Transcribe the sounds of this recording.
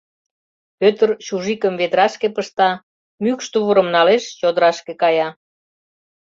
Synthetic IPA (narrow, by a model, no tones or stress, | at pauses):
pøt̪ərt͡ɕuʒikəmved̪ɾɑʃkepəʃt̪ɑ | mykʃt̪uβəɾə̆mnɑleʃt͡ɕod̪əɾɑʃkekɑjɑ